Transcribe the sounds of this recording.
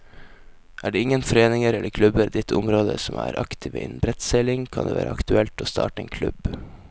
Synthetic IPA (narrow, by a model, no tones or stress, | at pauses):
ʔæːɖeːɪŋːənfɔɾeːnɪŋəɾɛlːəɾkʰlʉbəɾd̪ɪt̪ʰʊmɾoːd̪ə̰sɔmæːɾʔɑkt̪ʰɪːʋəɪːnbɾɛt̪sɛlɪŋkʰɑnd̪eːʋæ̰ːɾʔəɑkt̪ʉɛlt̪oːst̪ʰɑ̰ːʈəḛːnkʰlʉ̰b